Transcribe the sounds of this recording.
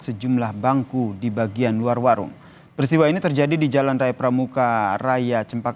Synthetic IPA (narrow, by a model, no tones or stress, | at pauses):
səd͡ʒumlahbaŋkudibaɡianluarwaɾʊ̰ŋ | pəɾist̪iwainit̪ərd͡ʒadidid͡ʒalanrajapɾamukarajat͡ʃəmpak